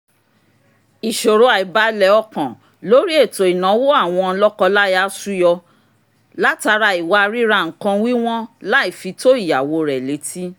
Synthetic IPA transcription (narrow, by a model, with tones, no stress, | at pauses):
i˨ʃo˨ɾo˧a˨i˨ba˨˦lɛ˨˦ɔ˧˨kã˨ | lo˨˦ɾi˦e˦˨to˨i˨nã˨˦wo˦a˦˨w̃ɔ̃˧lɔ˦kɔ˧la˦ja˧˦su˦jɔ˧ | la˦ta˧ɾa˧i˨wa˧ɾi˦ɾa˧˨ŋ̩˨kã˧wi˦w̃ɔ̃˦la˦i˦˨fi˧˦to˦i˦˨ja˨wo˧ɾɛ˨le˨˦tʰi˦